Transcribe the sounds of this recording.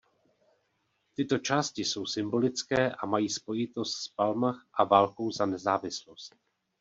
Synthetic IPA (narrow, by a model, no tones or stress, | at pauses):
t̪ɪt̪o̞t͡ʃaːscɪso̞wsɪmbo̞lɪt͡skɛːʔamajiːspo̞jɪt̪o̞st̪spalmaxʔavaːlko̞wzanɛzaːvɪslo̞st̪̚